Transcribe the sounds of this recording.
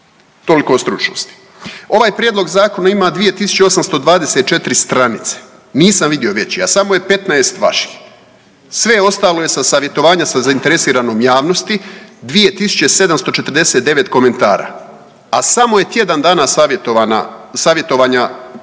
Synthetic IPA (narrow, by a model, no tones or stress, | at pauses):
t̪o̞likost̪ɾut͡ʃno̰st̪i̥ | o̞ʋaːjpɾʲjed̪lˠo̞ɡzaːko̞naimaːd̪ʋije̞t̪isu̥t͡ɕeo̞samst̪o̞d̪ʋaːd̪eset̪̚t͡ʃe̞t̪iɾist̪ɾanit̪se̥ | niːsamʋid̪io̞ʋe̞t͡ɕiasamoje̞pe̞t̪naest̪ʋa̰ʃi̥x | sʋeo̞st̪aːlo̞je̞sasaːʋje̞t̪o̞ʋaːɲasazaint̪eɾe̞siːɾano̞ːmjaːʋno̞st̪id̪ʋije̞t̪isu̥t͡ɕese̞d̪amst̪o̞t͡ʃe̞t̪rd̪eset̪̚d̪e̞ʋe̞t̪ko̞me̞nt̪aːɾa̰ː | asamo̞je̞t̪je̞d̪and̪aːnasaʋjet̪oʋana̰saːʋje̞t̪o̞ʋaːɲa